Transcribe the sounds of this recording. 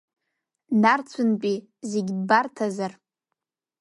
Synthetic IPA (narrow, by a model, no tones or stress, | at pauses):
nart͡sʷʰʊnpʼi | zeɡʲbartʰazar